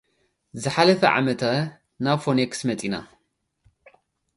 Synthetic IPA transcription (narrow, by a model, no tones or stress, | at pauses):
zɨħalɐfɐʕa̰mɐt̪ʰa | naβfoneksmɐt̪ʼina̰